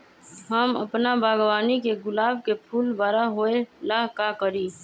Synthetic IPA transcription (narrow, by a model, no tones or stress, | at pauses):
ɦəmə̰pnabaːɡwaːnikeɡʊlaːbkepʰuːlbaːɾaɦoːelaɦkakəɾiː